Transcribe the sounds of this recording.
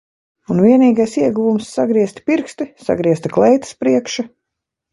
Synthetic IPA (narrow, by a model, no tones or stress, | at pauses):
unviɛniːɡajsiɛɡuvumsːaɡɾiɛst̪piɾkst̪isa̰ɡɾiɛst̪iklˠɛjt̪ɨ̥spɾiɛkʃa